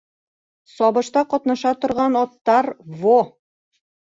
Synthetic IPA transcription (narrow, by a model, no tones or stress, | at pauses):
sɒβɤ̆ʃt̪ɑqɒt̪nɑʃɑt̪ŏɾʁɑnɒt̪ːɑɾvo